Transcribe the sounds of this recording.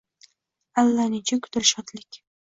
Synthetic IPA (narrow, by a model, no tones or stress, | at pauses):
alːanɪt͡ʃʰakʰʊ̥t̪ʰɪɾʃɒt̪lɪkʲ